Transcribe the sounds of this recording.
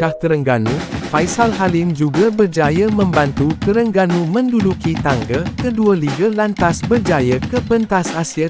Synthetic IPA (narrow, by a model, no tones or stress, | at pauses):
aht̪əɾəŋɡanũfajsalɦalɪmd͡ʒuɡabərd͡ʒajamə̃mbant̪ukəɾəŋɡanumə̃ndudukit̪aŋɡakəduəliɡalant̪asbərd͡ʒajakəpənt̪asasia